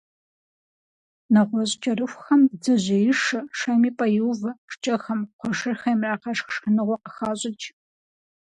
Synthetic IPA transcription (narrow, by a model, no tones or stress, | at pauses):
nɐʁʷɔɕt͡ʃʼɐrɨxʷxɐmd͡zɨʑɐjɪʂɐʂɐmiːpʼɐjɪwvɐʂt͡ʃʼɐxɐmqʷɔʂɨrxɐjmraːqɐʂxʂχənɨʁʷɔqəxaːɕʼɪt͡ʃʼ